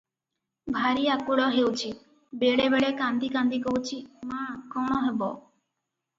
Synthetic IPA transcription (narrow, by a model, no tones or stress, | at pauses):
bʱaɾiakuɽɔɦewt͡ʃʰi | beɭebeɭekand̪ikand̪ikoɦwt͡ʃʰimãkɔɽ̃ɔɦebɔ